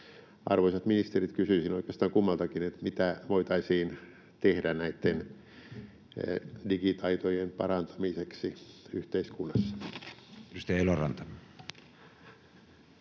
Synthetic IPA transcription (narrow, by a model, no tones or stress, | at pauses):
ɑ̰rʋoisɑt̪minist̪erit̪kysyisinoikeɑst̪ɑːŋkumːɑlt̪ɑkinet̪mit̪æʋoit̪ɑisiːn | t̪ehdænæit̪ːen | dikit̪ɑit̪ojempɑrɑnt̪ɑ̥miseksiyht̪eiskunːɑsːɑ̥ | eust̪ejelorɑnt̪ɑ